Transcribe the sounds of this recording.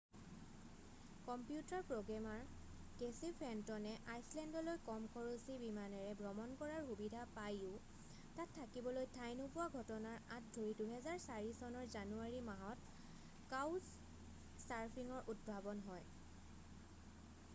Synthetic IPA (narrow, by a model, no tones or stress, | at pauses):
kɔmpijutaɹpɹoɡamaɹ | kesipʰɛntɔnɛʔajslɛndɔlojkɔmkʰɔɹosibimanɛɹɛbɹɔmɔnkɔɹaɹxubidʱapajʊ̃ | tatʰːakibɔlojtʰajnopʊwaɡʱɔtɔnaɹãt̚dʱoɹiduɦɛzaɹsaɹisɔnɔɹzanuaɹimaɦɔt | kawsː | aɹpʰiŋɔɹʔut̚bʱabɔnɦɔj